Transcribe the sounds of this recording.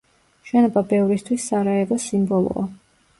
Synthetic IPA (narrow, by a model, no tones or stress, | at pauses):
ʃɛnɔbabɛvɾist̪ʰwisːaɾaɛɾɔsimbɔlˠɔ̰a̰